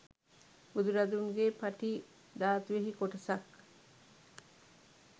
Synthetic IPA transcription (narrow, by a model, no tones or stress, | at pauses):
bud̪uɾad̪uŋɡeːpɐʈi | d̪aːt̪uʋeɦikoʈɐsɐk